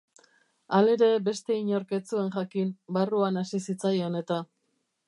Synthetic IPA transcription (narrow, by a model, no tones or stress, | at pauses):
ale̞ɾe̞be̞st̪e̞iɲoɾke̞t͡sue̞ŋʝakimbaruanasisit͡sajone̞t̪a